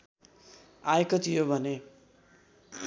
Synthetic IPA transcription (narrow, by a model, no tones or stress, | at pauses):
ajekot̪ʰijobʱʌne